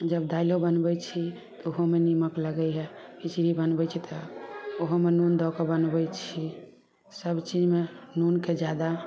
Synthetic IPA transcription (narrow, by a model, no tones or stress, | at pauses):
d͡ʒəbd̪ailobənbɛt͡ʃʰi | t̪ɔoɦomeniməkləɡəɦɛpit͡ʃɾibənbɛt͡ʃʰit̪ɔoɦomenund̪ɔkebənbɛjt͡ʃʰi | səbt͡ʃid͡ʒmenunked͡ʒjad̪a